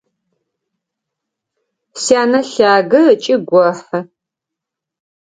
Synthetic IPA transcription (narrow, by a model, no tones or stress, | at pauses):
sijaːnɐɬaːɡɨt͡ʃʼɪɡʷɔħɐ